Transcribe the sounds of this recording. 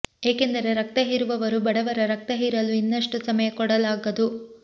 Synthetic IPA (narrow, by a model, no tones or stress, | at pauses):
e̞ːke̞nd̪ɐɾe̞ɾɐk̚t̪ɐɦiɾuʋɐʋɐɾubɐɽɐʋɐɾɐɾɐk̚t̪ɐɦiːɾɐluinːɐʂʈusɐmɐjɐkɔɽɐlaːɡɐd̪u